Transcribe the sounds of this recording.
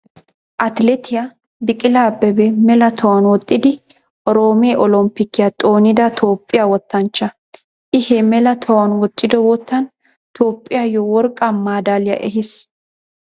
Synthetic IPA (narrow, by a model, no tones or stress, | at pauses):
ʔɐt̪lɛt̪ʰɪja | bɪkʼɪlaːbːɛbɛmɛlɐt̪ʰɐwɐnwɔt̪ʼːɪd̪ɪ | ʔɔɾoːmeʔɔlɔmpːɪkːɪjɐt̪ʼo̞ːnɪd̪ɐt̪ʰoːpʼːɪjawɔt̪ːɐnt͡ʃːɐ | ʔɪhɛmɛlɐt̪ʰɔwɐnwɔt̪ʼːɪd̪ɔwɔt̪ːɐn | t̪ʰoːpʼːɪjaːjɔwɔɾkʼamaːd̪aːlɪjɐ̰ʔɛɦɪs